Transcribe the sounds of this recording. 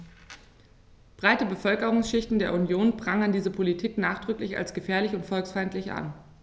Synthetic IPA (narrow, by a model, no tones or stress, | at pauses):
b̥ʁaɪtəbəfœlkəʁʊŋsʃɪçtn̩deːɐunjoːnbʁaŋəndiːzəpʰolitʰiːknaːχd̥ʁʏklɪça̰lsɡ̥əfɛːɐlɪçʊntfɔlksfaɪntlɪçʔa̰n